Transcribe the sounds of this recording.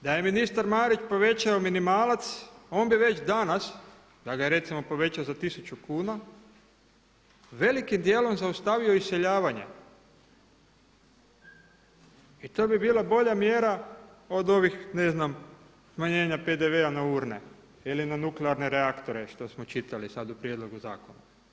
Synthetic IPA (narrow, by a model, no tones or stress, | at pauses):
d̪aje̞minist̪aɾmaːɾit͡ʃpo̞ʋe̞t͡ɕaominimaːlat̪so̞ːnbiʋe̞t͡ʃd̪anas | d̪̥aɡajeɾe̞t̪simo̞po̞ʋe̞t͡ɕaozat̪isut͡ʃukuːna | ʋe̞likimd̪jeːlo̞mzaust̪aʋio̞isseʎaːʋaɲe̞̰ | it̪o̞ːbibiːlˠabo̞ʎamjeːɾa | o̞d̪o̞ʋixneznam | smaɲe̞ːɲaped̪eʋeanauːɾnḛ | ilinanukleaɾne̞ɾeakt̪o̞ɾe̞ʃt̪o̞smo̞t͡ʃit̪alisad̪upɾjed̪lˠo̞ɡuza̰ːkona̰